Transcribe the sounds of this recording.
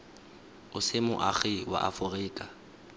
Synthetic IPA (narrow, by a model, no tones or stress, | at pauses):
ʊsɪmʊ̰ʔaχɪwa̰ʔafʊrɪːkʼa